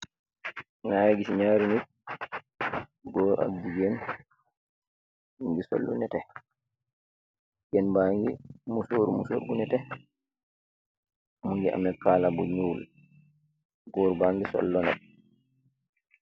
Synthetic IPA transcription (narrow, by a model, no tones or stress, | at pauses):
najaɡisiɲaːɾinik̚ | ɡɔːɾa̰bduɡɛn | muŋɡisɔ̰lːṵnɛtɛ | ɡɛnbaːŋɡḭmusoɾmuso̰ːɾɡunɛtɛ | muŋɡia̰mɛkaːlabuɲːuwul | ɡɔːɾbaŋɡisɔ̰lːɔnɛ̰t̚